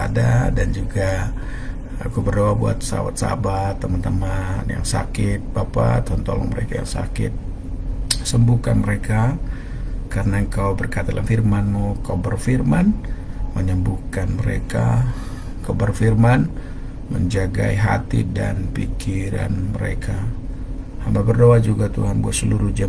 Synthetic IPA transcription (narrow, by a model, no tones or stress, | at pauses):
adadand͡ʒuɡa | akubərdoabua̰t̪̚səa̰wa̰t̪̚sa̰bat̪ːəmant̪əmanja̰ŋsa̰kɪt̪̚bapa̰t̪ont̪olɔ̰ŋməɾekaja̰ŋsa̰kɪ̰t̪̚ | səmbukanməɾeka | kaɾənaəŋkawbərkat̪adəlʔanfirmanmukawbərfirmanməɲəmbukanməɾḛka̰ | kawbərfirman | məɲd͡ʒaɡaiɦa̰t̪ḭdanpikʰiɾa̰nməɾḛkʰa | hambabərdoad͡ʒuɡat̪ṵɦanbuat̪səluɾuhd͡ʒə